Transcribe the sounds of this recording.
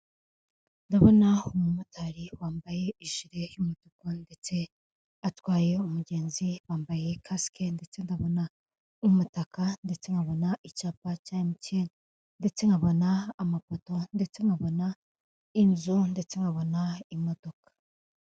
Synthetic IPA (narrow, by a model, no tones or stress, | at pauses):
ndaβo̞naumumutʰaɾiwaːmbaje̞iʒ̥iɾe̞jumodukonde̞t͡se̞ | atwaːje̞umuɟe̞ːnziwaːmbaje̞kʰaskʰende̞t͡se̞ndaβo̞na | umutakande̞t͡se̞ŋɡaβo̞naicaːpacaːɲemucieːna | nde̞t͡se̞ŋɡaβo̞naːmafoto̞nde̞t͡se̞ŋɡaβo̞na | inzunde̞t͡se̞ŋɡaβo̞naimo̞d̥o̞kḁ